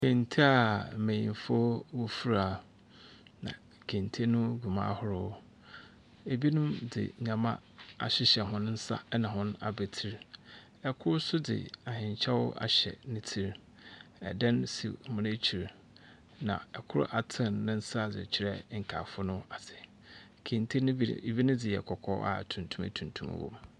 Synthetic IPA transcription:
kʰẽ˨n˨tʰi˦a˨mẽ˨jḭ̃˨n˨fɔ˦wo˦fu˦ɾa˨ | nã̰˨ | kʰẽ˨ntʰi˦e˦nʊ̃˦ɡu˨mã̰˦hʊ˦ɾʊ˦ | e˨bi˦nʊ̃˦mdɪ̰˨ɲã˨mã̰˦a̰˨ɕɪ˦ɕɛ˨ɦʊ̃˦n˦n̩˦sa̰˦nã˨ɦʊ̃˦n˦a̰˨be˨tʰi˨ɾ | ɛ˨kʰʊ˦ɾsʊ˦dɪ̰˨a˨ɦɪ̃˨ɲ˨t͡ɕʰɛ˦wʊ˦ʔa̰˨ɕɛ̰˨nɪ̃˦tʰi˨ɾ | ɛ̰˨dɛ̃˦nsḭ˨mʊ̃˨ne˦t͡ɕʰi˨ɾ | nã̰˨ɛ˨kʰʊ˦ɾʊ̰˦ʔa˨tʰɪ̃˦˨nːɪ̃˦n̩˦sa˦˨d͡zɪ̰˨t͡ɕʰɪ˨ɾɛ˦ŋ̩˨kʰa˨fʊ˦nʊ̃˦a˨sʰɪ˨ | kʰẽ˨n˨tʰe˦ñ˦e˨bi˦nʊ̃˦dɪ˨jɛ˨kʰɔ˨kʰɔ˦ʔa̰˨tʰũ˨n˨tʰũ˦mæ̰˨tʰũ˨n˨tʰũ˦m̰˨wõ̰˦˨m

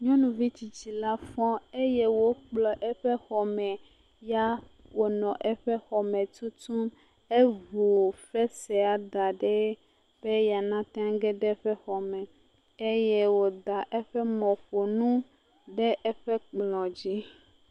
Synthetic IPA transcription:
ɲɔ̃˦nũ˨vi˦t͡ɕi˨t͡ɕi˨la˦fɔ̃˦e˦jɛ˦wo˦k͡plɔ˨ʔɛ˦ɸɛ˦xɔ˨mɛ̃˨ | ja˦ | wo˨nɔ̃˨ʔɛ˦ɸɛ˦xɔ˨mẽ˨t̪u˦t̪u˦m | e˦vu˨ɸɛ˦sɛ˨a˨d̪a˨ɖɛ˦ | b̥e˦ja˨nã˦t̪ẽ˦a˦ɡɛ˦ɖɛ˦ɸɛ˦xɔ˨mɛ̃˨ | e˦je˦wo˨d̪a˨ʔe˦ɸɛ˦mɔ̃˨ɸo˨nũ˦ | ɖe˦ʔɛ˦ɸɛ˦k͡plɔ̃˨d͡ʑi˦

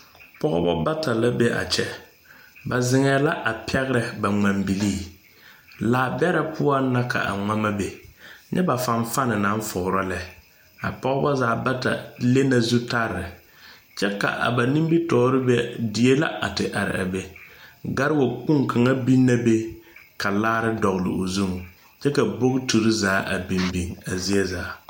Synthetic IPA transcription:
pɔ˦ɣɔ̰˦bɔ̰˦ba˦tʰa˨la˦be˦ʔa̰˨t͡ʃɛ˦ | ba˨zɪ˨ŋɛː˨la˦ʔa˨pʰɛ˦ɣɾɛ˨ba˨ŋ͡ma˨mbi˨liː˦˨ | laː˨bɛ˦ɾɛ˨pʰʊ˦a˦na˦ka̰˨ʔa̰˨ŋa˦ma˦be˨ɲʔɛ̰˦ba˨fa˨ɱ˦fa˦nɪ˨nã˨˦ɱ˦fʊ˨ɾɔ˦lɛ˨ | a̰˨pɔ˦ɡɔ˦bɔ˦zaː˨˦ba˦ta̰˨le˦na˨zu˦ta˦ɾːɪ˨ | t͡ʃɛ˦ka̰˨ʔa̰˨ba˨ni˦mbi˦tɔː˨˦ɾɪ˦bɛ˦di˨e˦la̰˦ʔa̰˨tɪ˨ʔa˨ɾɪ̰˨a˨be˦ɡa˦ɾɪ˦wo˨k͡pu˦ŋkʰa˨ŋa˦bi˦nːa˦be˦ka˨laː˦ɾɪ˦dɔ˨ɣlɪ̰˨o˨zu˦˨ŋ | t͡ʃɛ˦ka˨bo˦ɣtu˨ɾi˦zaː˨˦ʔa̰˨bi˨mbi˨ŋa˨zi˦ɛ˦zaː˨˦

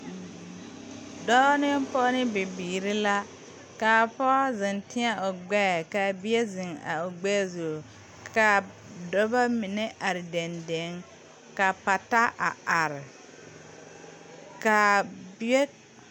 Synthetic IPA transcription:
dɔ˦nɪ˦m˦pɔ˦nɪ˦bɪ˨biː˨ɾɪ˦la˦ | ka˨pɔ˦zɪ˨ntɪ˦a˦ʔo˨ɡ͡bɛ˦˨ka˨bɪ˦e˦zɪ˨ŋa̰˨o˨ɡ͡bɛ˦zu˨ | ka˨ | dɔ˦ba˦mɪ˨nɛ˦ʔa˨ɾɪ˨dɛ˨nde˨˦ŋ | ka˨pa˨ta˦ʔa̰˨a˨ɾɪ˨ | ka˨bɪ˦ɛ˦

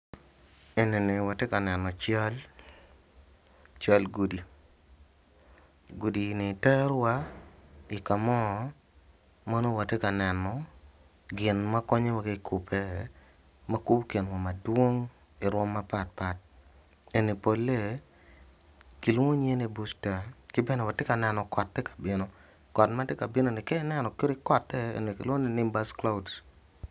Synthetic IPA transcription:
e˨ne˨ne˨wa˨te˦ka˨nɛ˨nɔ˨t͡ʃa˦l | t͡ʃa˦lɡu˨di˨ | ɡu˨di˨nɪ˨tɛ˦ɾwa˦ | i˨ka˨mɔ˦ | mɔ˦no˦wa˨te˦ka˨nɛ˨nɔ˨ | ɡɪ˨nma˦kɔ˦ɲe˦wa˦ɡe˦kʰu˨pʰe˦ | ma˦ku˦pke˨nwa˨ma˨dwo˦ŋ | ɪ˨ɾwɔ˦mːa˦pa˦t̚pa˨t̚ | e˨ni˨po˨lːe˦ | kɪ˨lwo˦ɲe˦ni˨bu˦sta˨kɪ˦bɛ˦nɛ˨wa˨tɪ˦ka˨nɛ˨nɔ˨kɔ˨tːe˦kḁ˨bɪ˦no˦ | kɔ˨tma˦te˦ka˨bɪ˦no˦nɪ˨kɛ˦nɛ˨nɔ˨ke˦ɾi˦kɔ˨tːɛ˦ḛ˨ni˨kɪ˨lwo˦ni˦nɪ˦mba˦skla˦u˨d

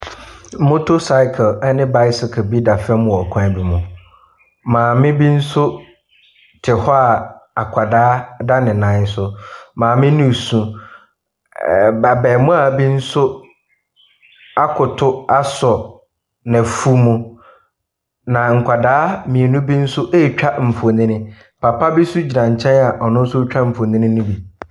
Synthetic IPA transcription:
mo˦tʰo˦sa˦ɪ˦kʰə˨lɛ˦nɪ̃˦ba˦ɪ˦sɪ˨kʰə˨bi˦da˨fɛ˦mʊ̃˨ɔ˨kʷʰã˦˨bi˨mʊ̃˨ | mãː˨mɪ̃˦bi˦n̩˦sʊ˦ | tʰɪ˨hɔ˦a˨a˨kʷʰa˨daː˦da˦nɪ̃˨nã˨˦sʊ˦mãː˨mɪ̃˦nʊ̃˦˨sũ˨ | bɛ˨bɛ˨mʊ̃˦a˨bi˦n̩˦sʊ˦ | a˦kʰʊ˨tʰʊ˦a˦sɔ˨ | nã˨fu˦mũ˨ | nã˨ŋ̩˨kʷʰa˨daː˦mĩ˨e˨nʊ̃˦bi˦n̩˦sʊ˦ʔe˦˨t͡ɕᶣa˦m̩˨fo˨nɪ̃˦nɪ̃˦ | pʰa˨pʰa˦bɪ˦su˦d͡ʑi˨nã˨ɲ˨t͡ɕʰɛ̃˦na˨ʔɔ˨nʊ̃˦n̩˦sʊ˦t͡ɕᶣa˦m̩˨fo˨nɪ̃˦nɪ̃˦nʊ̃˦bi˨

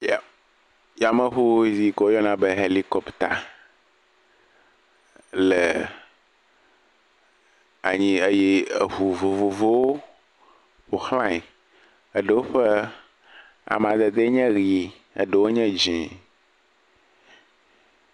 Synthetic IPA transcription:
ja˨ | ja˨mə̃˦ɦu˦zi˦kɔ˦jɔ˦nã˨be˦ɦe˦li˦kɔ˦pt̪a˨ | le˨ | a˨ɲĩ˦e˦je˦ə˨ɦu˨vo˨vo˨vo˦wo˦ | ɸo˨xlã˦ɲi˨ | ə˦ɖə˨wo˦ɸe˦ | a̰˨m˨ã˨d̪ɛ˨d̪e˦ɲɛ̃˦ɣi˨ | ḛ˨ɖə˨wo˦ɲɛ̃˦d͡ʒɛ̃˨

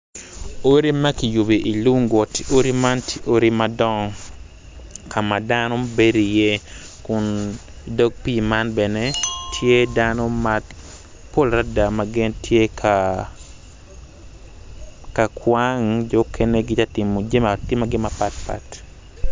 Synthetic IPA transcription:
o˦ɾi˦ma˦ki˨ju˨bi˨ʔi˨lu˦ŋɡɔ˨to˦ɾi˦ma˦nti˦ʔo˦ɾi˦ma˨dɔ˦ŋ | kʰa˨ma˨danɔ˦be˦ɾi˨je˦ | kʊ˨n | do˦ɡ̚pi˦ma˦nbɛ˨ne˦tʰje˦danɔ˦mat | po˦lɾa˦da˨ma˨ɡɪ˦ntʰje˦kʰa | ka˨kʰwa˦ŋd͡ʒo˦kʰe˦ne˦ɡɪ˦t͡ʃa˦tɪ˨mo˨d͡ʒe˦ma˨tɪ˦maɡɪ˦ma˨pa˦t̚pa̰t

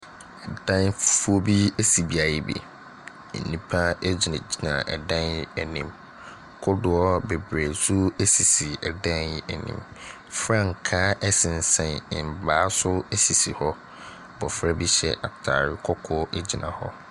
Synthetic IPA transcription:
ɛ˨d̥ã˦nffu˦o˦bi˦e˦si˨bi˦a˨jɛ˦bḛ˨ | nːĩ˨pʰa˦e˦d͡ʑi˨na˨d͡ʑi˦nã̰˨ɛ̰˨dã˦n˦ɛ˨nĩ˨m | kʰʊ˦dʊ˨ɔ˦be˨bɾe˨su˦e˦si˨si˨ɛ˨dã˦nɪ˨ɛ˨nḭ̃˨m | fɾã˦ŋ̩˨kʰa˦ʔɛ˦sɪ̃˨n̩˨sɛ̃˨nɪ̰̃˨m̩˨baː˨˦sʊ˦ɛ˦si˨si˨hɔ˦ | bɔ˨fɾa˦bi˦ɕɛ̰˦ʔa˨tʰa̰˨ɾɪ˦kʰɔ˦kʰɔ˦ʔe˦d͡ʑi˨nã̰˨hɔ̰˦

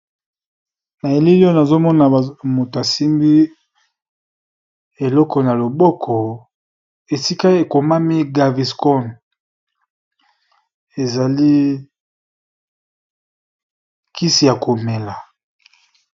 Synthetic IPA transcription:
na˨e˨li˦li˦ɔ˦na˨zo˦mɔ˦na˨mo˨to˨a˨si˦mbi˦ | e˨lɔ˦kɔ˨na˨lo˨bɔ˦kʰɔ˨ | e˨si˦ka˦e˨ko˨ma˦mi˦ɡa˨vi˨skɔ˦˨n | e˨za˨li˦ | kʰi˦si˨ja˨ko˨me˨la˨

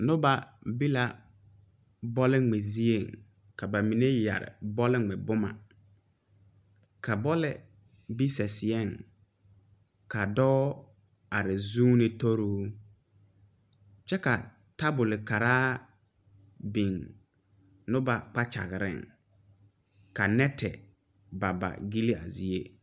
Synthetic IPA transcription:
nʊ̃˦ba˨bi˦la˨ | bɔ˦lɪ˦ŋ͡me˨zi˦e˨ŋ | kʰa˨ba˨mĩ˨ne˦ja̰˨ɾɪ̰˨bɔ˦lɪ˦˨ŋ͡mɛ˨bʊ˦mã̰˨ | kʰa˨bɔ˦lɪ˦˨ | bi˦sɛ˨sɪ˨ɛ˦˨ŋ | kʰa˨dɔː˦ | a˨ɾɪ˨zuː˦nɪ̃˨tʰo˦ɾo˦ | t͡ʃɛ˦ka˨ | ta˦bʊ˨lɪ˨ka˨ɾaː˦ | bĩ˨ŋ | nʊ̃˦ba˨k͡pa˦t͡ʃa̰˨ɡɪ˨ɾɪ̰˦˨ŋ | ka˨nɛ˦tʰɛ̰˨ | ba˨ba̰˨ɡi˦li˦a̰˨zi˨e˦

